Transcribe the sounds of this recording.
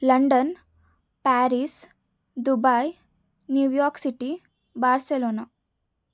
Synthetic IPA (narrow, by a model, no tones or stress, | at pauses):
lɐɳɖɐn | paːɾis | d̪ubaj | njuːjɔːɾksiʈi | baːɾseloːna